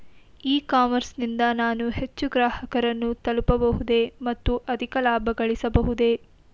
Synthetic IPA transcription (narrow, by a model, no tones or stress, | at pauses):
iːkaːmɐɾsnind̪ɐnaːnuɦe̞t͡ʃːuɡɾaːhɐkɐɾɐnːut̪ɐlupɐbɐɦud̪emɐt̪ːuʔɐd̪ʱikɐlaːbʱɐɡɐɭisɐbɐɦud̪e̞